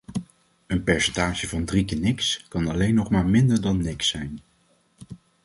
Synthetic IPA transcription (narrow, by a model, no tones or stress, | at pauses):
ənpɛɹsɛntaːʒəvɑndrikənɪkskɑnɑlejnːɔχmaːɹmɪndəɹdɑnːɪksɛjn